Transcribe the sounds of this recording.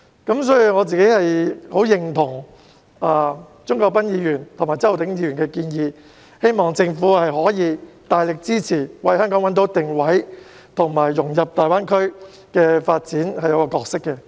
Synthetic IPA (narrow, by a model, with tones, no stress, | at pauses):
kɐ˨˥msɔː˨˥jy˨˩ŋɔː˨˧t͡siː˨ke˨˥jhɐ˨jho˨˥wjɪ˨ŋt̪ʰʊ˨˩ŋ | aː˨˩ | t͡sʊ˥ŋkɔː˧k̚pɐ˥njiː˨˧jyː˨˩nt̪ʰʊ˨˩ŋmaː˨˩jt͡sɐ˥wt̪ɪ˨˥ŋjiː˨˧jyː˨˩nkɛ˧kiː˧njiː˨˧ | he˥jmɔː˨ŋt͡sɪ˧ŋfuː˨˥hɐ˨jɦɔː˨˥jiː˨˧t̪aː˨jlɪ˨k̚t͡siː˥t͡sʰiː˨˩wɐ˨˧jhœː˥ŋkɔ˨˥ŋwɐ˨˥nt̪o˨˥t̪ɪ˨ŋwɐ˨˥j | t̪ʰʊ˨˩ŋmaː˨˩jːʊ˨˩ŋjɐ˨p̚t̪aː˨jwaː˥nkʰɵ˥ɥ | kɛː˧faː˧t̚t͡siː˨˥nhɐ˨jɐ˨˧wkɔː˧kɔː˧k̚sɪ˥kːɛ˧